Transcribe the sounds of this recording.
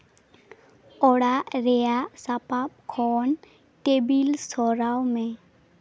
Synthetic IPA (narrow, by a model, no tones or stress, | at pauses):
ɔɽaʔɾɛjaʔsapap̚kʰɔn | ʈebilsɔɾawmɛ̃